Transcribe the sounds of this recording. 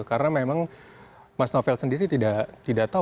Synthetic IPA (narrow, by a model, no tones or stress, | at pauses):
kaɾənamemaŋ | masnofɛlsəndiɾit̪idat̪idaʔt̪a